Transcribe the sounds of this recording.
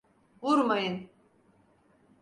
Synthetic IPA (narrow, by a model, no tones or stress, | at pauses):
vuɾmajɯn